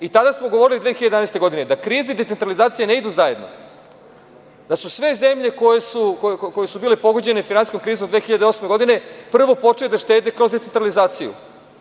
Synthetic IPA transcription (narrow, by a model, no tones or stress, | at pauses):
it̪ad̪asmoɡo̞ʋo̞ɾilid̪ʋeːxiʎad̪anaest̪e̞ɡo̞d̪ine̞d̪akɾiːzid̪et̪ent̪ɾalizaːt̪sijeneid̪uzaje̞d̪no̞̰ | d̪̥asusʋe̞ze̞mʎe̞kojesukokojesubiːlepo̞ɡod͡ʑe̞nefinansi̥komkɾiːzomd̪ʋeːxiʎad̪eo̞sme̞ɡo̞d̪ine̞pr̩ʋo̞po̞t͡ʂejed̪aʃt̪e̞ːd̪e̞kɾo̞zd̪et̪ent̪ɾalizaːt̪sijṵ